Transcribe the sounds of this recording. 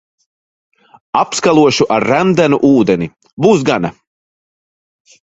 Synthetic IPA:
apskalˠuɔʃuʔaɾːænd̪ænuʔuːd̪ɛni | buːs̬ɡana

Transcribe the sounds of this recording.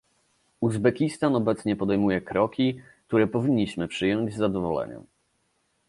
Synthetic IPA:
uzbɛkʲist̪anɔbɛt̪sɲɛpɔd̪ɛjmujɛkɾɔkʲik̚t̪uɾɛpɔvʲiɲːiɕmɘpʂɘjɔɲd͡ʑzːad̪ɔvɔlɛ̰ɲɛ̰m

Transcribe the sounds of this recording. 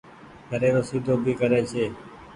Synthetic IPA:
kəɾeːɾoːsiːd̪ʱoːbʱiːkəɾeːt͡ʃʰeː

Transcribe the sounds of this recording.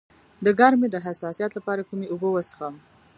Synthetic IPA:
d̪əɡɑɾmed̪əɦasɑsijɑt̪lapɑɾakumeobowəsxam

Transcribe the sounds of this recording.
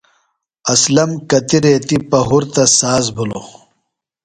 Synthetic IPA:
ɐslɐmkɐt̪iɾeːt̪ipɐɦuɾt̪ɐsaːzbʱulo̰

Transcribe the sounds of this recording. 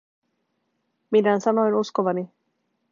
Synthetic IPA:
minansanoenuskoβani

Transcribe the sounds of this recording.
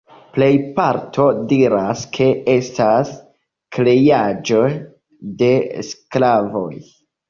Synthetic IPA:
ple̞jpaɾtʰo̞diɾaskʰe̞e̞stas | klejad͡ʒo̞ | de̞sklavo̞̰j

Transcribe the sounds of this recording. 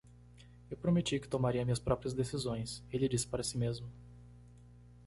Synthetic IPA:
ewpɾomet͡ʃikɪ̥t̪omaɾiɐmĩɲɐspɾɔpɾiɐzd̪esizõj̃selɪd͡ʒisɪ̥paɾɐsimezmʊ

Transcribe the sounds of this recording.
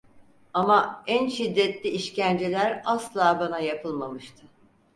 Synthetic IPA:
amaænʃid̪ːɛt̪lʲiiʃcænd͡ʒe̞lʲæɾaslˠaːbanajapʰɯlˠmamɯʃt̪ʰɯ

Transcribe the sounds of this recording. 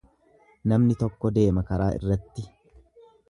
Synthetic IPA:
nɐmnɪt̪ɔkːɔd̪e̞ːmɐkɐɾaːʔɪ̰rːɐt̪ːɪ

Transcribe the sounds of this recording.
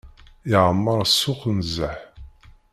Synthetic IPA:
iʕəmːəɾˤsːʊχnzːəħ

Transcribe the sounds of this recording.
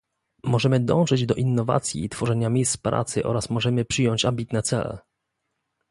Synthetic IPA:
mɔʐɛmɘd̪ɔ̃w̃ʐɘd͡ʑd̪ɔʔinːɔva̰t̪sʲjḭːt̪fɔʐɛɲamʲijst̪pɾa̰t̪sɘʔɔ̰ɾasmɔʐɛmɘpʂɘjɔɲt͡ɕambʲit̪nɛt̪sɛlɛ̰

